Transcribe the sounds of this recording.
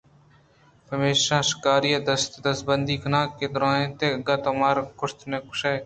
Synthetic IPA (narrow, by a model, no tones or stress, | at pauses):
pəmeːʃãːʃɪ̥kaːɾijaːd̪əst̪d̪əs̚bənd̪iːkʰənãːkːeːd̪ʊɾãːnẽːt̪eːɡaːt̪ɐmaːɾkʊɾt̪nẽːkʊ̥ʃeː